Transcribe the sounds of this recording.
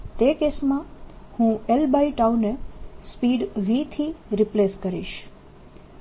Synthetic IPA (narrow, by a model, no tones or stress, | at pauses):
t̪ekesmãhũelbaiʈaunespiɖʋit̪ʰiɾipleskəɾḭʃ